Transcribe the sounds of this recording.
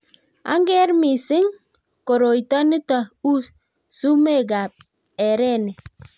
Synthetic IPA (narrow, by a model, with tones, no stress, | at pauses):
a̰˦ŋɡɛ˦ɾmi˨sɪ˦ŋ | ko˨ɾo˨i˨ta˦ni˦ta˨u˦s | su˦me˦˨ɡa˨p̚ | ɛ˨ɾɛ˦˨ni˨